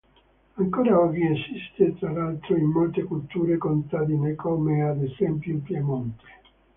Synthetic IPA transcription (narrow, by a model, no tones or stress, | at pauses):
aŋkoːɾaɔviesist̪et̪ɾalalt̪ɾoimːolt̪ekult̪uːɾekont̪ad̪inekɔːmead̪esɛmpjumpjemont̪e̥